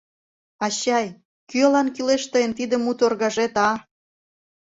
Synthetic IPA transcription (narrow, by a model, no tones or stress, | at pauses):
ɑɕɑj | kyɑlɑnkyleʃt̪əjənt̪id̪ə̆mut̪orɣɑʒet̪ɑ